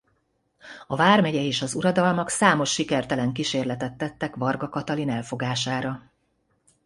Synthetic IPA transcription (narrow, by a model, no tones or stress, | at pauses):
ɒvaːrmɛɟɛeːʃɒzuɾɒd̪ɒlmɒksaːmo̞ʃːikɛrt̪ɛlɛŋkiʃeːrlɛt̪ɛt̪ːɛt̪ːɛkʋɒrɡɒkɒt̪ɒlinɛlfo̞ɡaːʃaːɾɒ